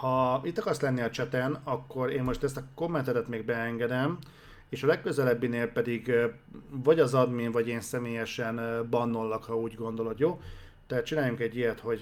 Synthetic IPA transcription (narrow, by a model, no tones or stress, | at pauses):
hɒit̪ːɒkɒrslɛnːiɒt͡ʃɛt̪ɛnɒkːo̞ɾeːnmo̞ʃt̪ɛst̪ɒko̞mːɛnt̪ɛt̪ɛt̪meːɡ̚bɛɛŋɡɛd̪ɛm | eːʃɒlɛkkø̞zɛlɛbːineːlpɛd̪iɡ | vɒɟɒzɒd̪minvɒɟeːnsɛmeːjɛʃɛnbɒnːo̞lːokhɒuːɟɡo̞nd̪o̞lo̞d̪joː | t̪ɛɦat̪̚t͡ʃinaːjuŋkɛɟːijɛt̪ho̞ɟ